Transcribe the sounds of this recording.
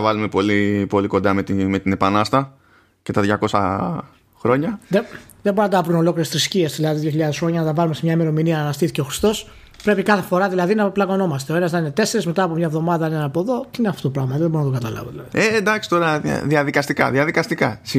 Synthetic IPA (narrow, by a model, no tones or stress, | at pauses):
ɐvɐlume̞po̞lipo̞liko̞nd̪ɐmet̪ime̞t̪ine̞pɐnɐst̪ɐ | ce̞t̪ɐðʝɐko̞sɐ̰ | xɾo̞ɲɐðeðeboɾunɐd̪ɐvɾuno̞lo̞kliɾet̪ɾiscie̞sðilɐðiðjoçiʎɐðe̞sxɾo̞ɲɐnɐt̪ɐvɐlumesemɲɐime̞ɾominiɐnɐst̪iθice̞o̞xɾist̪o̞s | pɾe̞pikɐθe̞foɾɐðilɐðinɐplɐɣo̞no̞mɐst̪eo̞e̞nɐznɐnine̞t̪e̞se̞ɾezme̞t̪ɐːpo̞mɲɐevðo̞mɐðɐninenɐpo̞ðo̞t̪iineɐft̪ot̪op̬ɾɐɣmɐðeboɾunɐt̪oɡɐt̪ɐlɐ̰voðilɐðiend̪ɐksi̥t̪o̞ɾɐ̰ðiɐðikɐst̪ikɐ̰ðiɐðikɐst̪ikɐsi